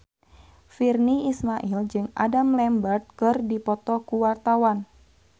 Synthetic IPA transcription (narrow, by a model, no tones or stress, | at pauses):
firniismaʔild͡ʒɨŋa̰damlɛmbərt̪̚kɨrdipɔt̪ɔkuwart̪awan